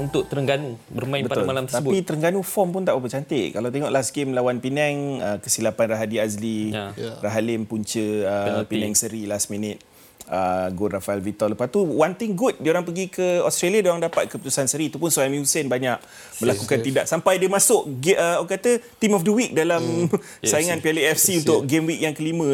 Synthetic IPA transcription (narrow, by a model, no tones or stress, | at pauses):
unt̪ʊkʔ̚t̪əɾəŋɡanubəɾmãjbətpaʊlamalamt̪ət̪aəbpit̪əɾəŋɡanufɔmpʊnt̪aʔbabət͡ʃant̪ɪʔkalawt̪eŋɔʔlasɡɪmlawanpinɛŋəkəsilapanraɦadiazliraɦalɪmpuɲt͡ʃəəpinɛŋsəɾilasminɪt̪̚ | əɡʊrafaɛlvit̪ɔləpat̪uwant̪ɪŋɡut̪̚dioɾaŋpəɡikəɔst̪ɾaliadioɾaŋdapat̪̚kəput̪usansəɾiːt̪upʊnsuaamjunsənbaɲaʔ̚ | məlakukant̪idaʔsampajdiəmasʊʔɡəokat̪ət̪imɔfdəwik̚dalam | sajiŋanpialeɛfsiunt̪ʊʔ̚ɡemwik̚jaŋkəlimə̃